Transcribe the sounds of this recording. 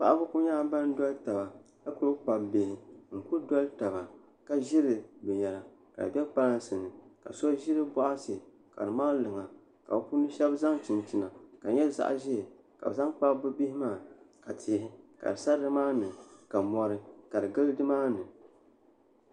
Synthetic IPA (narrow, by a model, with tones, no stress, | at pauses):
pa˦˨ʔa˦bʊ˦kʊ˦ɲaː˦ba˦n˦dɔ˦lta˨ba˨ | ka˦ku˦ɾɨ˦k͡pa˨bbe˨hɪ˨ŋ̩˨ku˦dɔ˦lta˨ba˨ | ka˦ʒɪ˦ɾɨ˨bɛ˨ɲɛ˨la˨ | ka̰˨ɨ˨bʲɛ˦k͡pa˦la˦n˦sɨ˨nɨ˨ka̰˨sɔ˦ʒɪ˦ɾɨ˦bɔ˦ʔa˦sɨ˨ | ka̰˨ɾɨ˨maː˦lɨ˨ŋa˨ | ka˨bpu˦nɨ˦ʃɛ˦bza˦ŋt͡ʃɪ˨ntɪ˨na˨ka˨ɲɛ˦za̰˦˨ʔa̰˦˨ʒɛ˦˨ | ka̰˨bza˦ŋk͡pa˦bɨ˦bi˦hɪ˦maː˦˨ | ka˨tʰɪ˨hɪ˦ka̰˨dɨ˨sa˦dɨ˦maː˦nɨ˨ka˨mɔ˦ɾɨ˦ka˨dɨ˨ɡɨ˦ldɨ˦maː˦nɨ˨